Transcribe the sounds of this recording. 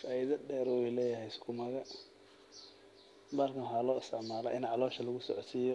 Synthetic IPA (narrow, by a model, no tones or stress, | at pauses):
faːɪðɐɖɛːɾʊwɛlɛːjɐɦɛjskʰʊmɐɣɐ | bɐrnwħaːlɔːɪst̪ʰɪʕmaːlɐ̰ʔɪnʕɑlɔːʃɐlɐɣʊsɔ̰ʕɔt̪siːjɔ